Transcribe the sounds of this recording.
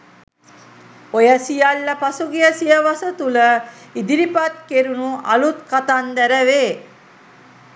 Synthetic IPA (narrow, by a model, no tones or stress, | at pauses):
ojəsijalːəpasuɡijəsijəʋasət̪uləid̪iɾipat̪̚keɾunuʔa̰lut̪kat̪and̪æɾəʋeː